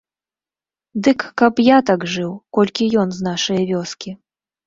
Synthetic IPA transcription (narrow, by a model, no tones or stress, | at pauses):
d̪ɨkːɐpjat̪aɡʐɨwkɔlʲkʲijɔnznaʂɐjɐvʲɔskʲi